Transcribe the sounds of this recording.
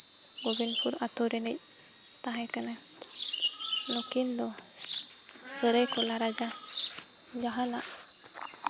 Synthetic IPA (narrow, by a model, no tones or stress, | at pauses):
ɔbinpʰuɾat̪ɔɾɛnəc̚ | t̪aɦãjkana | nɔkind̪ɔ | səɾəjkɔlaɾad͡ʒa | ɡaɦalaʔ